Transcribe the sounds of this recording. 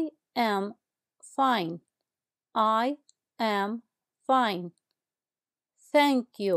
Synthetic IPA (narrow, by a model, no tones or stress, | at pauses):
ɛ̃m | fãɪ̃n | ʔaɪ | æ̃m | fãɪ̃n | θæ̃ŋkju